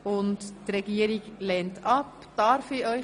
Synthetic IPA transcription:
ʊnttɾɛɡiːəɾɪɡlɛːntɑp | d̪̥ɑɾfiœʏ

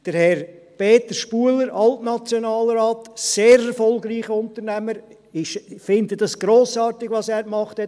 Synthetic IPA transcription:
d̥əɾhɛɾ | peːt̪əɾʃpuələɾʔɑltnɑt͡sjɔnɑːlɾaːtseːɾɛɾfɔlɡɾiːχəʊntəɾnæməɾ | ɪʃfɪndəd̥ɑsɡ̥ɾoːsɑːɾtɪɡʋɑsæːɾkmɑχthɛt

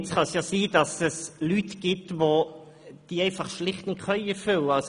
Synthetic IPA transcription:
t͡sχɑsjɑːsiːd̥ɑsɛslytɡ̥ɪtvo | d̥iːəɛɪfɑχʃlɪχtnɪtχœʏəfʏləɑls

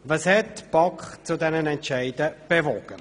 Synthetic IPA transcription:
vɑshɛtb̥ɑkχt͡sudɛnənɛntt͡ʃæɪdəb̥evɔɡ̥ə

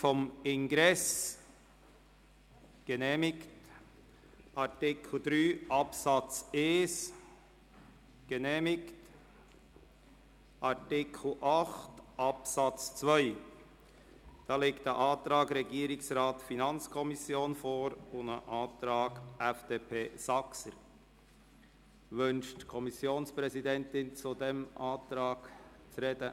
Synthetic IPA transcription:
fɔmɪnɡɾɛs | ɡ̥ənɛːmɪkt | ʔɑɾtɪkʰl̩d̥̪ɾyːʔɑpsɑt͡seːs | ɡ̥ənɛːmɪkt | ʔɑɾtɪkʰl̩ʔɑχtʔɑpsɑt͡st͡svœʏ | d̥ɑːleːktəʔɑːtɾɑːɡɾɛɡiːəɾɪksɾɑːtfinɑnt͡skʰɔmisjoːnfoːɾʊnəʔɑːt̪ɾɑːɡʔɛfd̥eːpʰeːsɑksəɾ | ʋʏnʃtkʰɔmisjoːnspɾɛzidɛntɪnt͡sudɛmʔɑːt̪ɾɑːk | t͡sɾɛd̥ə

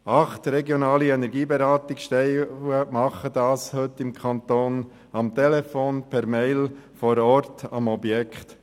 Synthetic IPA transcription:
ʔɑχtɾɛɡjonɑːliɛnɛɾɡiːbɛɾɑːtɪkʃtɛɪəmɑχədɑːshɵtːɪmkʰɑnt̪oːn | ɑmt̪ɛlɛfoːnpʰɛɾmeɪlfɔɾɔɾtɑmɔbjɛkχt

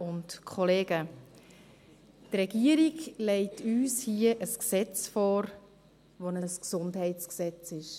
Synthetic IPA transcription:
ʊntkʰɔleːɡ̥ə | trɛɡ̥iəɾiɡlɛɪtʰyːshiəʔəsksɛt͡sfɔːɾ | ʋonəsksʊndhɛɪtt͡sksɛt͡sɪʃ

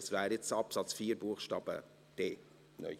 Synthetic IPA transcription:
svæːɾjɛt͡sɑpsɑt͡sfiːɾbuːχʃtɑːb̥ə̰ | d̥eː | nœ̰ʏ

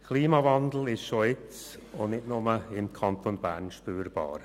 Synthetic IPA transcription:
kʰliːmɑvɑndl̩ɪʃʃoɪt͡s | ʊnnɪtnʊməɪmkʰɑnt̪ʰonbæ̰ːɾnʃpyːɾb̥ɑ̰ːɾ

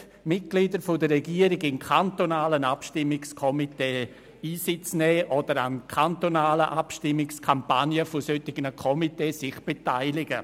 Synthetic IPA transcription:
mɪt̚ɡ̥lidəɾfʊdəɾɛɡiːəɾɪɡɪnkʰantonaːlənapʃtɪmːɪkskʰɔmiteː | iːsɪt͡snɛːʔɔd̥əɾankʰantonaːləʔapʃtɪmːɪkskʰampanjəfʊsøtːɪɡ̥ənəkʰɔmiteːsɪχb̥etaɪlɪɡə

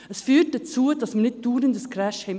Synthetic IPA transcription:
əsfyːt̚d̥at͡suːəd̥ɑsmənɪt̚d̥uːɾəndəskʰɾɛʃhɛm

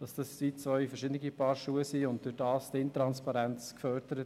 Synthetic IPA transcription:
d̥ɑsd̥ɑssiːt͡sʋœʏfəɾʃɪdənɪɡipɑːɾʃuːəsiːʊnt̚d̥ʉɾdɑːstɪnt̪ɾɑnspɑɾɛnt͡skfœɾd̥əɾət

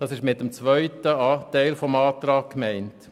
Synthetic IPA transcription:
d̥ɑsɪʃmɪt̚ːəmt͡sʋœʏtəɑːtæɪlfɔmɑːt̪ɾɑːkkmɛɪnt

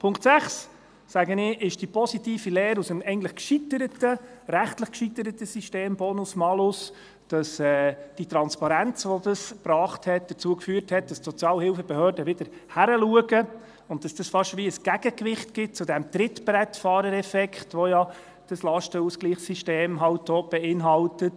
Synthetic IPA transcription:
pʰʊŋktsæχs | sæɡənɪʔɪʃd̥ipʰɔsitiːfilɛːɾusəmɛɪɡntləχkʃitəɾətəɾæχtləχkʃitəɾətəsiʃteːmbɔnʊsmɑlʊs | d̥ɑsɛːd̥it̪ɾɑnspɑɾænt͡sʋɔdɑsb̥ɾɑːχthɛt̚d̥̪ət͡suəkfyːəɾthɛt̚d̥ɑstsɔt͡sjɑːlhɪlfəbəhøːɾdəʋɪd̥əɾhæɾəluəɡə | ʊn̚d̥ɑsd̥ɑsfɑʃʋiəsɡ̥æɡ̥əkʋɪχtɡ̥ɪt̚t͡sʊdæmtɾɪtbɾɛtfɑːɾəɾɛfɛkχtʋɔjɑ | d̥ɑslɑʃtəuskliːχsiʃteːmɦɑlt̚dɔːb̥ɛɪnɦɑltət

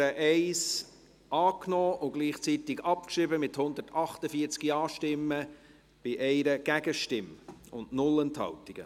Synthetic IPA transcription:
əʔɛɪs | ʔɑːknɔːʊɡ̥liːχt͡sit̪ɪɡɑp̚kʃɪbəmɪthʊnd̪ərtʰɑχtəfiəɾt͡skiɑːʃtɪmːə | b̥ɪʔɛɪɾəɡ̥æɡ̥əʃtɪmʊntnʊlənt̪hɑ̰lt̪iɡ̥ə̰

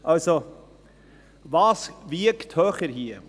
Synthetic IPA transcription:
ʔɑlso | vɑːsvɪəkt̪høːχəɾɦiə

